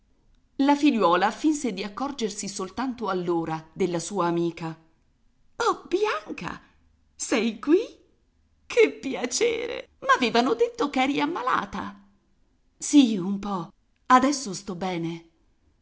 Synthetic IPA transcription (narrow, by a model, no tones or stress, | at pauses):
lafiʎːwɔːlafinsed̪iakːɔrd͡ʒersisolt̪ant̪oalːoːɾad̪elːasuːaːmiːka | ɔbjaŋka̰ | sɛjkwi | kʰepːjat͡ʃḛːɾḛmaːvɛːvanod̪et̪ːokɛːɾiamːala̰ːt̪a | siumpɔ | ad̪ɛsːost̪ɔbːɛːne